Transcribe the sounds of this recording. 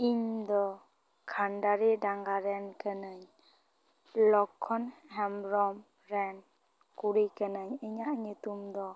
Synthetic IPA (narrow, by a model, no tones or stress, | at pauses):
iɲd̪ɔ | kʰanɖaɾidaŋɡaɾɛnkənəɲ | lɔkʰɔnhɛmɾɔm | ɾɛn | kuɾikənəɲəɲaʔɲut̪umd̪ɔ